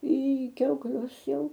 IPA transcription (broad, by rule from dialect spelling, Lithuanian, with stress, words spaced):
iː kʲɛʊkˈlʲʊs ˈjɛʊ